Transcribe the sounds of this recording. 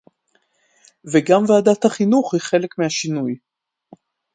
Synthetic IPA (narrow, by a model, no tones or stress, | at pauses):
veɡamvaːdat̪haχinuχhiχe̞lekmehaʃinuj